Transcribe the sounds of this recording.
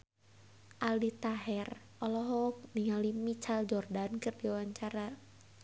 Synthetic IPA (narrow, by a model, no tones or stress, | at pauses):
ʔalit̪aɦɛr | ʔɔlɔɦɔk̚niŋalimit͡ʃald͡ʒɔrdankɨrdiwaɲt͡ʃaɾa